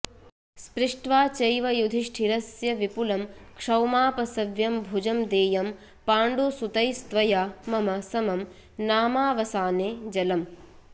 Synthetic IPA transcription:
spɾɪʂʈʋaːt͡ʃɐjʋɐjud̪ʱiʂʈʰiɾɐsjɐʋipulɐmkʂɐwmaːpɐsɐʋjɐmbʱud͡ʒɐmd̪eːjɐm | paːɳɖusut̪ɐjst̪ʋɐjaːmɐmɐsɐmɐm | naːmaːʋɐsaːneːd͡ʒɐlɐm

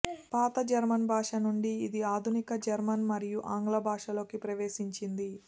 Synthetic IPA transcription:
paːt̪ɐd͡ʒɐɾmɐnbʱaːʂɐnuɳɖiːd̪iaːd̪ʱunikɐd͡ʒɐɾmɐnmɐɾijuʔaːŋɡlɐbʱaːʂɐlo̞ːkipɾɐʋeːʃiɲt͡ʃind̪i

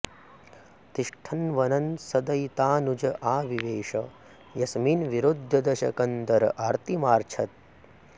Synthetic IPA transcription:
t̪iʂʈʰɐnʋɐnɐnsɐd̪ɐjt̪aːnud͡ʒɐʔaːʋiʋeːʂɐ | jɐsminʋiɾod̪ʱːɐd̪ɐʃɐ̰kɐnd̪ɐɾɐʔaːɾt̪imaːɾt͡ʃʰɐt̪̚

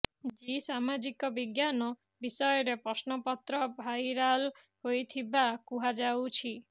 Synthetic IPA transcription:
d͡ʒisamad͡ʒikɔbiɡjanɔ | bisɔjɔɾepɾɔsnɔpɔt̪ɾɔbʱajɾalhojt̪ʰibakuɦad͡ʒawt͡ʃʰi

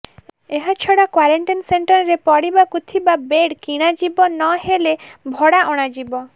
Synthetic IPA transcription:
eɦat͡ʃʰɔɽakwaɾeɳʈinseɳʈɔɾɾepɔɽibakut̪ʰibabeɽkiɽ̃ad͡ʒibɔnɔɦelebʱɔɽaʔɔɽ̃ad͡ʒibɔ

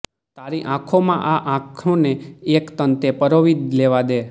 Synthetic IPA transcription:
t̪aɾiʔãkʰomãʔaʔãkʰõneːkt̪ənt̪epəɾoʋid̪leʋad̪e

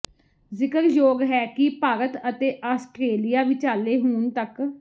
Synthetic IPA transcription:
zɪkəɾjoːɡɦɛːkɪpaːɾət̪ət̪eːʔaːsʈɾeːlijaːʋɪt͡ʃaːleːɦuːɳt̪ək

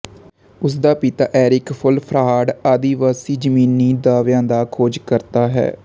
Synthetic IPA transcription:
ʊs̬d̪aːpɪt̪aːʔɛːɾɪkpʰʊlpʰɾaːɖaːd̪iːʋaːsiːd͡ʒəmiːnːiːd̪aːʋjãːd̪aːkʰoːd͡ʒkəɾt̪aːɦɛ̰ː

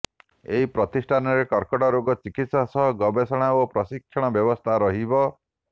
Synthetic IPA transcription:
eɦipɾɔt̪isʈʰanɔɾekɔɾkɔʈɔɾoɡɔt͡ʃikit̪sɔsɔɦɡɔbesɔɽ̃aopɾɔsikʰːjɔɽ̃ɔbjɔbɔst̪ʰaɾɔɦibɔ

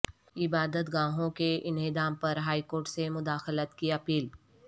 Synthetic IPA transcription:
ɪbaːd̪ət̪ɡãːɦõkeʔɪnɦɪd̪aːmpɐɾɦaːikoːɾʈsemʊd̪aːxlət̪kiɐpiːl

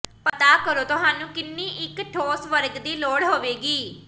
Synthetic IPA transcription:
pət̪aːkəɾoːt̪ʊɦaːnũːkɪnːiːʔɪkʈʰoːsʋəɾɡd̪iːloːɽɦoːʋeːɡiː

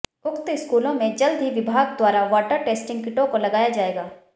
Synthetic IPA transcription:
ʊkt̪ɪskuːlõmẽd͡ʒɐld̪ʱɦiʋɪbʱaːɡd̪waːɾaʋaːʈəɾʈeːsʈɪ̃ŋɡkɪʈõkolɐɡaːjad͡ʒaːeːɡaː

